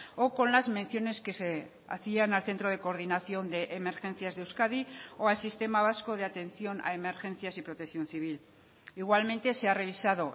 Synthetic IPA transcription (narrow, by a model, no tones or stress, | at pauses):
oko̞nlazmẽ̞nθjo̞ne̞ske̞se | a̰θianalθent̪ɾo̞ð̞e̞ko̞ːɾðinaθjo̞nd̪e̞ʔːme̞ɾxe̞nθjazðewskaðioalsist̪e̞maβ̞asko̞ð̞e̞at̪e̞nθjo̞na̰e̞me̞ɾxe̞n̟θjasipɾo̞t̪ekθjo̞nθiβ̞il | iɣwalmẽ̞nt̪e̞se̞are̞β̞isaðo̞